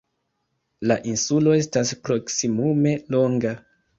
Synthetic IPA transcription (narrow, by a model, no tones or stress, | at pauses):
laʔinsulo̞e̞staspɾo̞ksimume̞lo̞ŋɡa